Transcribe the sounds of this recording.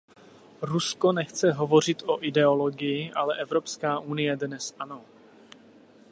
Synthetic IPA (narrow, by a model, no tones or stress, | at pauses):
ɾuskonɛxt͡sɛɦovo̞r̝ɪt̪ʔoʔɪdɛoloɡɪjɪʔalɛʔɛvɾopskaːʔunɪjɛdnɛsʔano̞